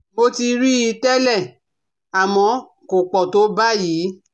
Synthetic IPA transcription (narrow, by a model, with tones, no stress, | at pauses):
mo˧ti˧ɾi˦i˧tɛ˦lɛ˦˨ | a˨mɔ̃˧ | ko˨k͡pɔ˨to˨˦ba˦jiː˨˦